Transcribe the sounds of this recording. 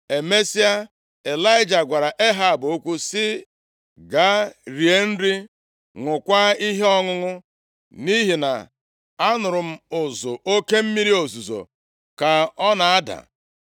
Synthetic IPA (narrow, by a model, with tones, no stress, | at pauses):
e˨me˦si˦a˦ | e˨la˦ɪ˦d͡ʒa˨ɡʷa˨ɾa˨ʔe˦ɦa˨bo˦kʷu˦sɪ˦ | ɡa˦ɾi˨e˦n̩˦ɾi˦ | ŋʷʊ˨kʷa˦i˦ɦe˦ɔ˦ŋʊ˦ŋʊ˦ | ni˦ɦi˨na̰˨ | a˦nʊ˨ɾʊ˨m̩˦ʊ˨zʊ˨ʔo˦ke˦m̩˦mi˦ɾi˦o˨zu˨zo̰˨ | ka˨ɔ˦na˨a˦da̰˨